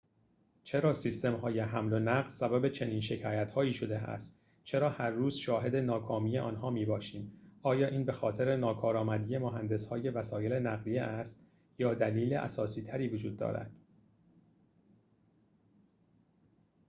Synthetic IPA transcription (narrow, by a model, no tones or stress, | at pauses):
t͡ʃʰe̞ɾɒːsist̪e̞mɦɒːjeɦæmlo̞næɢlsæbæbe̞t͡ʃʰe̞niːnʃe̞cʰɒːjæt̪hɒːiːʃo̞d̪e̞æ̰st̪ | t͡ʃʰe̞ɾɒːhæɾːuːzʃɒːɦe̞d̪enɒːkʰɒːmiːje̞ʔɒ̰ːnɦɒːmiːbɒːʃiːmɒːjɒːʔiːnbe̞xɒːt̪ʰe̞ɾe̞nɒːkʰɒːɾɒːmæd̪iːje̞moɦænd̪e̞shɒːje̞væsɒːjele̞næɣlijeʔæst̪ | jɒːd̪æliːlḛʔæ̰sɒːsiːt̪ʰæɾiːvod͡ʒuːd̪ːɒ̰ːɾæ̰d̪̥